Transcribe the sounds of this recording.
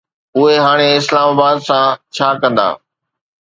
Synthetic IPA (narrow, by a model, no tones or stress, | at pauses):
ʊɦeɦaːɽ̃eɪslaːmaːbaːd̪sãt͡ɕʰaːkə̃nd̪a̰ː